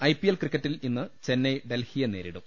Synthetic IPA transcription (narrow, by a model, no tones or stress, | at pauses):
ɐjpːijelkrikːɐʈːilinːɨt͡ɕe̞nːejɖelhijɐneːɾḭɽṵm